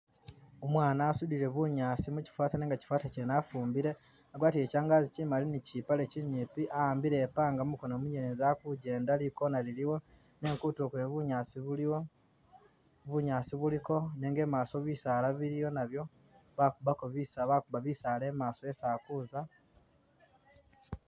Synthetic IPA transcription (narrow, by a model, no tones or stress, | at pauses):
omwaːnaːsudiɾe̞βuɲaːsimuci̥fwaːtaneŋɡaci̥fwaːtacenafuːmbiɾe̞ | aɡwaːtiecaːŋɡaːzicimalinicipale̞ciɲiːpiʔaaːmbiɾe̞paːŋɡamuko̞nomuɲelenzakuɟe̞ːndaliko̞naliliwo̞ | neːŋkutukweβuɲasiβuliwo | βuɲaːsiβuliko̞neːŋɡe̞ːmaːso̞βisalaβiɾijo̞naβjo̞ | βakuβakoβisaβakuβaβisale̞ːmaːsoesaːkuza